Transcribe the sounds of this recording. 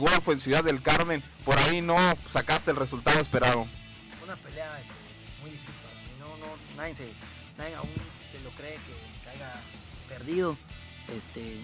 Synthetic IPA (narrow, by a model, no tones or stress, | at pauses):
ɣwolfoensjuðaðe̞lkaɾmẽ̞n | po̞ɾainosakast̪e̞lresult̪aðoespe̞ɾaðo | unapeleaest̪e | mujifikainononaese | naeŋa̰un | selo̞kɾeːkekeajɣa | peɾðiðo | est̪e